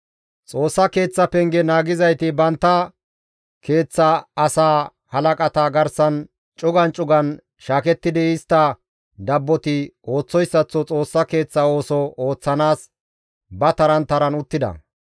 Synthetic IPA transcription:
t͡sʼo̞ːsːɐke̞ːt͡sːɐpɛŋɡɛnaːɡɪzɐjt̪ɪbɐnt̪ːɐ | kʰe̞ːt͡sːɐɐsaː | hɐlɐkʼɐt̪aɡɐɾsɐn | t͡ʃʼʊɡɐnt͡ʃʼʊɡɐn | ʃaːkɛt̪ːɪd̪ɪɪst̪ːɐ | d̪ɐbːɔt̪ɪo̞ːt͡sːɔjsːɐt͡sːɔt͡sʼo̞ːsːɐke̞ːt͡sːɐo̞ːsɔoːt͡sːɐnaːs | bɐt̪ɐɾɐnt̪ɐɾɐnʊt̪ːɪd̪ɐ̰

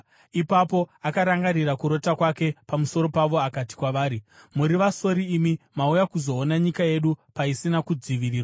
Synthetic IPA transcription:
ipapo̞akaɾaŋɡaɾiɾakuɾo̞takwake̞pamuso̞ɾo̞paʋo̞akati̥kwaʋaːɾimuɾiʋaso̞ɾiːmimaujakuzo̞ːnaɲikaje̞ɗupaisinakud͡ziʋiriːrwa

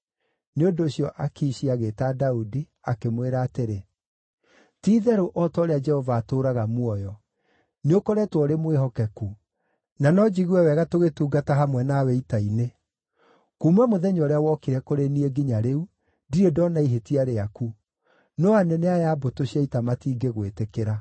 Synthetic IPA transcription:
neondoːɕjɔʔakiɕiaɣetadaudi | akemweɾaːteɾe | tiːðɛɾoʔɔtɔɾead͡ʒɛhɔvaːtoːɾaɣamwɔjɔ | neokoɾɛtwɔɾemwehɔkɛku | nanɔd͡ʒiɣiɛwɛɣatoɣetuːɡataɦamwɛnawɛitaine | kumwamoðɛɲɔɾeawɔkiɾɛkoɾenieɡiɲaɾeu | diɾedɔnaiɦetiaɾeaku | nɔanɛneajabotoɕiaitamatiːɡeɣwetekeɾa

